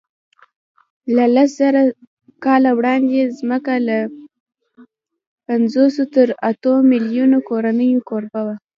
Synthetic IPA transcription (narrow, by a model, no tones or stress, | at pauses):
lalaszaɾa | kɑlawɽɑnd̪ezməkala | panzosot̪əɾat̪omɪljunokoɾanəjokoɾbawa